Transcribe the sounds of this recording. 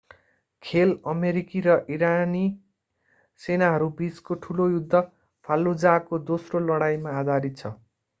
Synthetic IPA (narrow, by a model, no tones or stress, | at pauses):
kʰelʌmeɾikiɾʌʔiɾani | senaɦʌɾubiskoʈʰulojud̪ʱːʌ | pʰalːud͡zakod̪osrolʌɽajmaːd̪ʱaɾit̪̚t͡sʰʌ